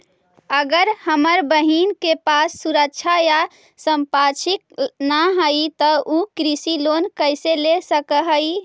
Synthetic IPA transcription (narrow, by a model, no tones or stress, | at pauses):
əɡəɾhəməɾbəɦinkepasːuɾək̚t͡ʃʰaja | səmpat͡ʃʰik̚naɦəjt̪əukɾisilonkəɪselesəkəɦəj